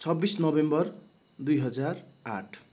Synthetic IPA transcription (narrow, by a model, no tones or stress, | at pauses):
t͡sʰʌbːisnʌbembʌr | d̪ujɦʌd͡zara̰ʈʰ